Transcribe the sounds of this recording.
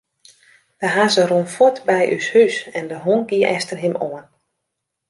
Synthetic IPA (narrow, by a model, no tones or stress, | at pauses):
d̥əɦazəronfɔtbɛjʔy̰shysɛndəɦonɡiəʔɛstərɦɪmoən